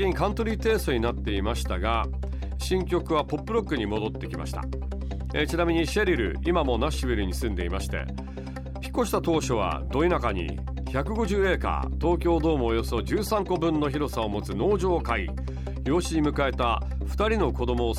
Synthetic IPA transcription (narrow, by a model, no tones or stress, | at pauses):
iɲ̟ikãnt̪o̞ɾʲit̪e̞ːsoɲ̟inat̪ːe̞imaɕi̥t̪aɡa | ɕĩŋkʲo̞kɯ̟β̞apo̞pːɯ̟ɾo̞kːɯ̟ɲ̟imo̞d̪o̞t̪ːe̞kʲima̰ɕi̥t̪a̰ | t͡ɕinamʲiɲ̟iɕeɾʲiɾɯ̟̰imamo̞naɕibʲiɾɯ̟ɲ̟isɨ̃nd̪e̞imaɕi̥t̪e̞̰ | çi̥kːo̞ɕi̥t̪at̪o̞ːɕo̞β̞a̰d̪o̞inakaɲ̟ḭ | çakɯ̟ɡo̞ʑɨːe̞ːka̰t̪o̞ːk̬ʲo̞ːd̪o̞ːmoːjo̞so̞d͡ʑɨːsãŋko̞bɯ̟̃nːo̞çiɾo̞sao̞mo̞t͡sɨno̞ːʑo̞ːkai | jo̞ːɕiɲ̟imɯ̟kae̞t̪a | ɸɯ̥t̪aɾʲino̞ko̞d̪o̞mo̞ː